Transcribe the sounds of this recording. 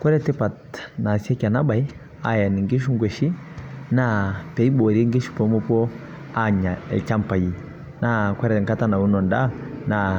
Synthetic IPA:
kwɛ˦ɾɛ˦tɛ˦pa˨tna˨si˦ɛ˦ka˨na˦ɓa˨i˦ | a˦ja˨ni˨ŋɡi˦ʃ̬u˦ŋɡwɛ˨ʃi˦na˦pɛ˨i˦ɓɔ˨ɾi˦ŋɡi˦ʃu̥˨pɔ˨˦mu˦pɔ˦ | a˦ɲa˨ɛ̰˨t͡ʃa˦m̩˨pa˨i˨ | na˦kwɛ˦ɾɛ˨ŋka˦ta˦na˨u˦nɔ˨nda˦na˨

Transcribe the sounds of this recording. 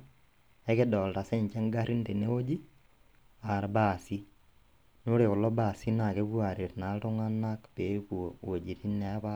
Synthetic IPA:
ɛ˦ke˦dɔ˨lta˨se˦ɲt͡ʃe˦ŋɡa˦ɾi˦nte˨ne˦o˦d͡ʒi˦ | a˨ɾba˦si˦ | no˦ɾe˨o˨lɔ˦ba˨si˦na˨ke˦ku˦a˨ɾe˨tna˨˦lto˦ŋa˦na˦kpe˨˦kowo˨d͡ʒi˨ti˦nɛ˨˦pa˦

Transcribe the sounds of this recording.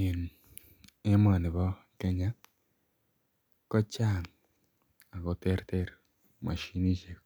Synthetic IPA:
e˨n | e˦ma˨ni˨βɔ˦ke˦ɲa˦ | ko˦t͡ʃa˦˨ŋ | a˨ko˨te˦ɾte˦ɾ | ma̰˨ʃi˦ni˦ʃe˦k

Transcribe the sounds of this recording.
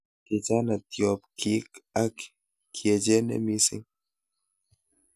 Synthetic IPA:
ki˨d͡ʒa˦na˨t̪jo˨pkʰi˦ka˦k | kʰje˨d͡ʒe˦nḛ˦mi˦sḭ˦ŋ

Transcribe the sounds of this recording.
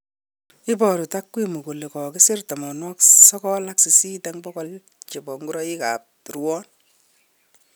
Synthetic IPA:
ɪ˦bɔ˨ɾu˨ta˦kːwi˦mu˨ku˨le˨kɔ˨kɪ˦sɪ˦rta˨mɔ˨nwɔ˦ksɔ˦kɔ˦la˦ksi˨si˦ta˦ŋbɔ˦kɔ˦l | t͡ʃe˨bɔ˨ŋɡu˦ɾɔ˦i˦ka̰˨p̚ɾwɔ˦n

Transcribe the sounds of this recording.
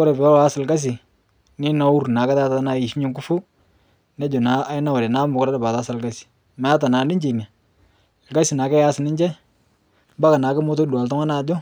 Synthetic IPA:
ɔ˦ɾe˨pɛː˨˦sɪ˨lka˦s̬i˨ | nɪ˦na˦u˦ɾna˨kɛ˦ta˦ta˦na˨i˨ʃi˦ɲɪ˦ŋku˦fu˦ | nɛ˦d͡ʒo˨na˨˦na˦wa˨ɾɛ˨na˨˦mʊ˨kɔ˦ɾa˦dɪ˨ba˨ta˦sa˨lka˦si̥˨ | ma˨a˦ta˨naː˨nɪ˦ɲd͡ʒe˨na˨ | lka˦si˨na˨kɛ˦ja˦sɪ˨nɪ˦ɲd͡ʒɛ˦ | ba˦ka˨naː˨˦kɪ˦mʊ˦t̬o˦du˨a˨ltɔ˦ŋa˦na˨d͡ʒɔ˦

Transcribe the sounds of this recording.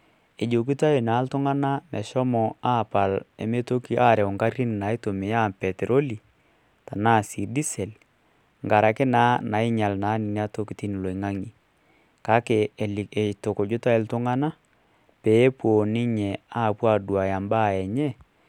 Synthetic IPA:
e˨d͡ʒo˨k̬i˦ta˦e˨na˨˦ltʊ˦ŋa˦na˦mɛ˨ʃɔ˦mɔ˨a˦˨pa˨lɛ˨me˦to˦ki˦ʔa˦˨ɾɛ˨ɔ˨ŋka˦ɾɾi˦n˨na˨˦ɪ˦to˨me˨ja˦˨pɛ˨te˨ɾʔo˦li˨ | ta˨na˦˨si˨di˦sɛ˨l | ŋɡa˨ɾa˨kɪ˦naː˦na˨ɪ˦ɲa˨lna˨˦nɪ˨ni˦a˦to˦ki˨ti˦n˨lo˨i˨ŋa˦ŋi˨ | ka˦ke˨e˨to˨ko˨d͡ʒʊ˦ta˦ɪ˨ltʊ˦ŋa˦na˦ | pe˨˦pwo˨nɪ˦ɲɛ˨a˦˨pwa˦˨du˨a˨ja˨mba˦˨ɛ˨ɲɛ˦˨

